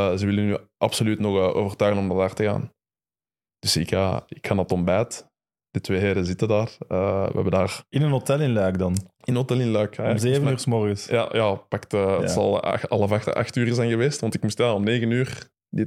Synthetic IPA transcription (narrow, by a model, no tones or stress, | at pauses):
zəʋɪlənyːʔɑpsolytnɔxəʔo̰ːvərtœːɣənɔmdadaːrtəɣa̰ːn | d̥ʏsɪkaɪkxanɑtɔmbɛːt | d̥ətʋeːɦeːɾəzɪtədaːrəʋ̰ɛbəndaːrɪnənotɛlɪnlœːkdɑnɪnənɦotɛlɪnlœːkːzeːvəyːsmɔrɣəsja̰jʔaːpaktəːɑlˠa̰xɑlˠəvaxta̰xtyːɾəzɛjnɣəʋeːstʋɑntɪkmustjaːɔmneːɣənyːr | dɪ